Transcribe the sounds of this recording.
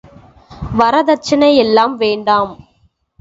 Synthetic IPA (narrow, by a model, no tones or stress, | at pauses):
ʋɐɾɐðɐɾt͡ʃːɐnɐɪɛlːaːmʋeːɳɖaːm